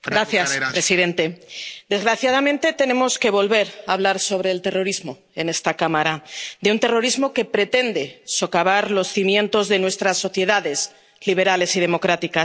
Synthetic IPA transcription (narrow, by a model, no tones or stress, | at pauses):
ɡɾaθjaspɾe̞siðe̞nt̪e̞d̪e̞zɣɾaθjaðamẽnt̪e̞t̪e̞nẽ̞mo̞ske̞βo̞lβe̞ɾaβ̞laɾso̞β̞ɾe̞ːlt̪e̞ro̞ɾizmo̞ | e̞ne̞st̪akamaɾad̪e̞unt̪e̞ro̞ɾizmo̞ke̞pɾe̞t̪e̞nd̪e̞so̞kaβaɾlo̞sθimjẽ̞nt̪o̞zðe̞nwe̞st̪ɾasːo̞θje̞ðaðe̞z | liβ̞e̞ɾale̞sið̞e̞mo̞kɾat̪ikas